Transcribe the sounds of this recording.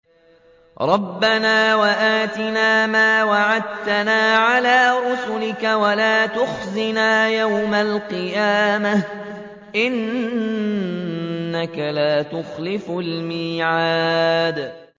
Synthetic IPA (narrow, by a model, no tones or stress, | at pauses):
ɾˤɑbːanaːwaʔaːt̪ɪnaːmaːwaʕad̪̚t̪anaːʕalaːɾʊsʊlɪkawalaːt̪ʊxzɪnaːjawmalqɨjaːma | ʔɪn | akalaːt̪ʊxlɪflmiːʕaːd̪